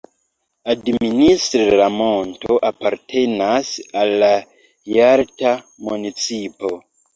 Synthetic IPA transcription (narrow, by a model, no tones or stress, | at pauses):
administɾɾamo̞ntoʔapaɾtʰe̞nasalːa | jaɾta | munit͡sipo